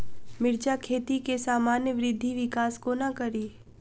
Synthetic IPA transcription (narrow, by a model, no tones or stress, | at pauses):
mɪɾd͡ʒakʰeːt̪ikesaːmaːnjəʋɪɾɪd̪ʱːiʋɪkaːskonakɐɾiː